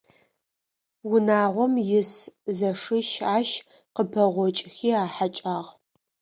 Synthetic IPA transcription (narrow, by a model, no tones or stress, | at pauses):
wʊnaːʁʷɔmjɪszɐʂɨʃaːʃ | qəpʰɐʁʷɔt͡ʃʼxiːaːħat͡ʃʼaːʁ